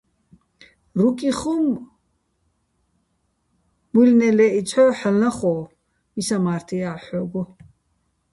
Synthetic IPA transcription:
rukʼiχum | mulnɛlɛit͡sʰɔħalaχɔ | misamaːɾt̪ʰijaħɔɡɔ

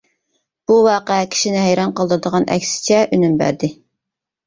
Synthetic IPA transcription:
b̥uwɑːqəɛkʲʰi̥ʃinɪɦæjɾɑnqəlˠd̪əɾɨd̪əʁɑnʔɛ̰kʲsɪ̥t͡ʃʰɛʔynymbæ̰ɾd̪ɪ

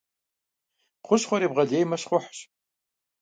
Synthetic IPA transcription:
χʷʊɕχʷɔɾiːbʁɐdeːjmɐɕχʷʊħɕ

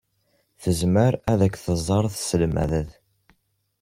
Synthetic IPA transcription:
θəzməɾæðækʷːθəzˤːɑɾˤθsəlmæ̰ðəð

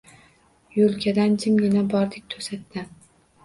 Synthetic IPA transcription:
jolˠkʲʰad̪and͡ʒʰɪmʲɪnabɒɾd̪ɪk̚ʲt̪ʰɵsat̪ːɪn

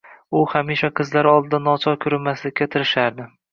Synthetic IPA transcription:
ʊhamiʃaqʰɨzlaɾɒlˠd̪ɪd̪anɒt͡ʃʰɒkʲʰʊɾɪmaslɪkʲʰːat̪ʰɪɾɪʃaɾd̪ɪ

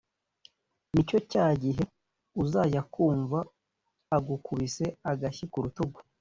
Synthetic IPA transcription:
nico̞caːɟiɦe̞ | uzaːjakuːɱvaː | ɡukʰuβise̞aɡaçikuɾutoɡo̥

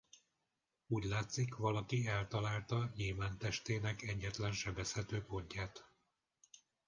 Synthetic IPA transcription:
uːɟlaːt̪sikʋɒlɒkiɛlt̪ɒlaːlt̪ɒɲilvaːnt̪ɛʃt̪eːnɛkɛɟːɛt̪lɛnʃɛbɛshɛt̪øːpo̞ɲcaːt̪

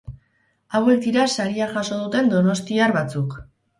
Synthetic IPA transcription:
awe̞k̚d̪iɾasaɾiaʝaso̞ðut̪e̞nd̪o̞no̞st̪iarβat͡suk

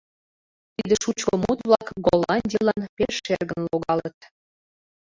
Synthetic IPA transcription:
t̪id̪əʃut͡ɕkəmut̪βlɑkɡolɑnʲdʲilɑnpeʃːerɣənloɣɑlət̪̚

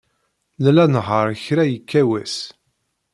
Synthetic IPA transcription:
lælænɦəɾˤçɾæjəkːæwæs

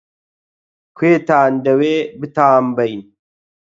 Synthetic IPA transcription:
kʰweːt̪aːnd̪ɐweːbɨt̪aːmbɐjn

